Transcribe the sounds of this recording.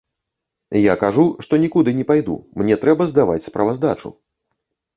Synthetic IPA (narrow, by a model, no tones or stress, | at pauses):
jakaʐuʂt̪ɔnʲikud̪ɨnʲɛpajd̪ṵmnʲɛt̪ɾɛbɐzd̪ava̰t͡sʲspɾɐvazd̪at͡ʂṵ